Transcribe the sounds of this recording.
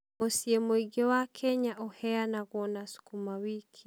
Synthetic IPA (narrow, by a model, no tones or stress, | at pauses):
osiemoiɡewakʰɛɲaʔɔhɛanaɣwɔnasu̥kumawikʰi